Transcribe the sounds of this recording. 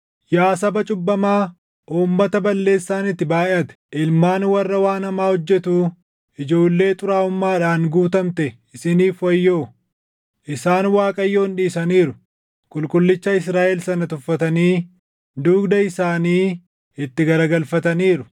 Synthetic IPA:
jaːsɐbɐt͡ʃʼʊbːɐmaː | ʔuːmːɐt̪ɐbɐlːe̞ːsːaːnɪt̪ːɪbaːʔɛʔɐt̪ɛ̥ʔɪlmaːnwɐrːɐwaːnɐmaːhɔd͡ʒːɛt̪uː | ʔɪd͡ʒo̞ːlːe̞ːt̪ʼʊɾaːʊmːaːᶑaːnɡuːt̪ɐmt̪ɛ | ɪsɪniːfwɐjːo̞ː | ʔɪsaːnwaːkʼɐjːo̞ːnᶑiːsɐniːɾʊ | kʼʊlkʼʊlːɪt͡ʃːɐɪsɾaːʔɛlsɐnɐt̪ʊfːɐt̪ɐniː | d̪uːɡd̪ɐɪsaːniː | ɪt̪ːɪɡɐɾɐɡɐlfɐt̪ɐniːɾʊ

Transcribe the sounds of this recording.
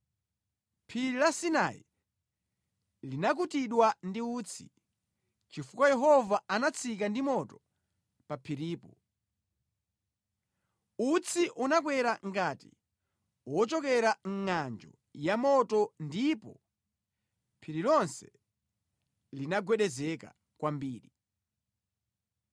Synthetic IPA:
pʰiɾilasinaḭ | linak̬utiɗwandiuːt͡sʰi̥̰ | t͡ʃifukwajɛɦɔvaanat͡sʰikandimɔtɔ | papʰiɾiːpɔ | ut͡sʰiʔunak̬wɛɾaŋɡatḭ | wɔt͡ʃɔkɛɾaŋ̩ŋand͡ʒɔ̰ | jamɔtɔndipɔ̰ | pʰiɾilɔnsɛ | linaɡwɛɗɛzɛka̰ | kwambiːɾi

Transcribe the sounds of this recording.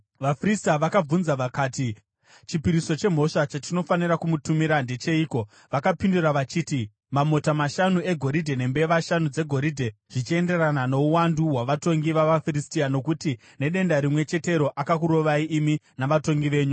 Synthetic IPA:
ʋafristaʋakab͡vunzaʋakaːti | t͡ʃipiɾiso̞t͡ʃe̞m̤o̞ʂat͡ʃatino̞faniɾakumutumiɾande̞t͡ʃe̞iːko̞ | ʋakapinduɾaʋat͡ʃiːti | mamo̞tamaʃanue̞ɡʱo̞ɾidʱe̞ne̞mbe̞ʋaʃanud͡ze̞ɡʱo̞ɾidʱe̞ʐ̥it͡ʃie̞nde̞ranano̞uwanduwaʋato̞ŋɡiʋaʋafristiano̞kuti | ne̞ɗe̞ndaɾimwe̞t͡ʃe̞te̞ɾo̞ʔakakuɾo̞ʋaiʔiminaʋato̞ŋɡiʋe̞ːɲu

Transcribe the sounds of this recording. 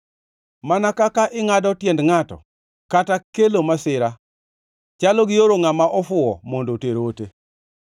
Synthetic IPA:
manakakaʔɪŋadɔtjɛndŋatɔ̰ | katakelomasɪɾa | t͡ʃalɔɡɪjoɾoŋamaʔɔfʊɔ̰mɔndoteɾote

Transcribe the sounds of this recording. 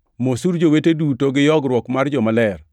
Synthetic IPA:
mosuɾd͡ʒowetedutoɡɪjɔɡɾwɔkmard͡ʒɔmalɛr

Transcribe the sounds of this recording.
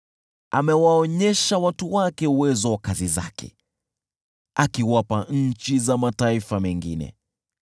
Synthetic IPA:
a̰mɛwaɔɲɛʃawatuwakɛuwɛzɔwakaziza̰kɛ̰ | akiwapaɲ̩t͡ʃizamataifamɛŋɡinɛ̰

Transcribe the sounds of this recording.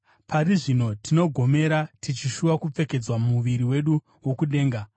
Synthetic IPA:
paɾiʐino̞tʰino̞ɡʱo̞me̞ɾatit͡ʃiʃuʋakup͡fe̞ke̞d͡zwamuʋiɾiwe̞ɗu | wo̞kuɗe̞ːŋɡa

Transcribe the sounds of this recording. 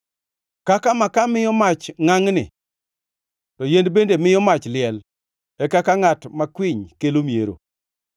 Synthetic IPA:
kakamakamɪjɔmat͡ʃŋaŋnɪ̰ | tɔjendbendemɪjɔmat͡ʃlɪɛl | ɛkakaŋatmakwɪɲkelomjḛɾo̰

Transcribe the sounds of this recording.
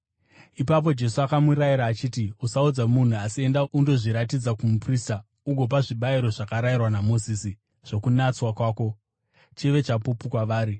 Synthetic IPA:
ipap̬o̞d͡ʒe̞suakamuɾaiɾaːt͡ʃiːtiusaud͡zamun̤uasie̞ndaʔundo̞ʐiɾatid͡zakumuprista | uɡʱo̞p̬aʐiɓaiɾo̞ʐakaɾairwanamo̞ziːsi | ʐ̥o̞kunat͡swakwaːko̞ | t͡ʃiʋe̞t͡ʃapupukwaʋaːɾi

